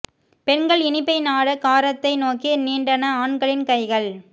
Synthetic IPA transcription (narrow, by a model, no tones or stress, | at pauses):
pɛɳɡɐɭɪnɪpːɐɪnaːɽɐkaːɾɐt̪ːɐɪnoːkiniːɳɖɐnɐaːɳɡɐɭɪnkɐɪɣɐɭ